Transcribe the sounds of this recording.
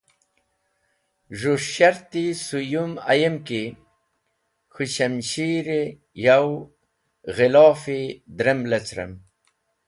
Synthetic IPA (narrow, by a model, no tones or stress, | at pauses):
ʐuʂɕaɾt̪isujuma̰jemki | xuɕɐmɕiɾe | jaw | ɣelɑːfid̪ɾemlet͡sɾḛm